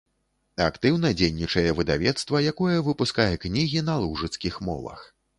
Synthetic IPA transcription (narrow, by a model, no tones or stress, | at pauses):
akt̪ɨwnɐd͡zʲejnʲit͡ʂɐjɛvɨd̪a̰vʲɛt̪st̪vɐjakɔjɛvɨpuskajɛknʲiɣʲinɐlˠuʐɨt̪skʲixmɔ̰vɐ̰x